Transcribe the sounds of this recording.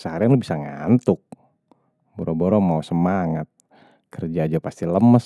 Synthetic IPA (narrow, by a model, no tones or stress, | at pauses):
səhaɾianlubisaŋant̪ʊk̚ | bɔɾɔbɔɾɔmausəmaŋat̪̚ | kərd͡ʒaːd͡ʒapast̪iləməs